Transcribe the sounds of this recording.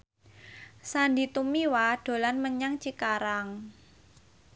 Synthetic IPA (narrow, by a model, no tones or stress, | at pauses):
sandit̪umiwaɖ̥o̤lanməɲaŋt͡ʃikaɾaŋ